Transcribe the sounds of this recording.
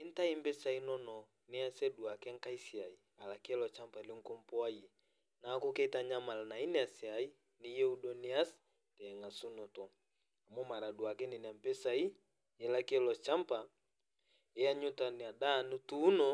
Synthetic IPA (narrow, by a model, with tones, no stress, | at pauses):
i˦n̩˦ta˦i˦mbɛ˦sa˨i˦nɔ˦nɔ˨ | ni˦a˦sɛ˦du˨a˨kɛ˦ŋ̩˦ka˦i˦si˨a˨i˨ | a˨la˨kɛ˦lɔ˨t͡ʃa˦mpa˨i˨li˦ŋ˦ko˦m˦pɔ˦a˦ji˨ | na˨˦ko˦kɛ˦i˦ta˨ɲa˦ma˨la˨na˨i˦nɛ˦a˨si˨a˨i˦ | ni˦jɛ˦u˦dɔ˨ni˦a˦s | tɛ˨ŋa˨su˦nɔ˨tɔ˨ | a˨mɔ˦ma˨ɾa˨du˨a˨kɛ˦ni˨n˨a˨mbɛ˦sa˨i˦ | ɛ˨la˦kɛ˦lɔ˨t͡ʃa˦mpa˨ | ɛ˦a˦ɲu˦ta˨ni˨a˨da˦˨nu˦tuː˦nɔ˨